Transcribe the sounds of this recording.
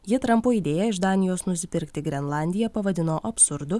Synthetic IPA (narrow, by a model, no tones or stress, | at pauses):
jɪt̪ɾɐmpoːiːd̪ʲeːjɛɪʃd̪ɑːnʲɪjoːsnʊsʲɪpʲɪɾʲkt̪ʲɪɡɾʲɛnlˠɑˑnʲd̪ʲɪjɛpɐʋɐd̪ʲɪnoːʔɐpʲsʊɾd̪ʊ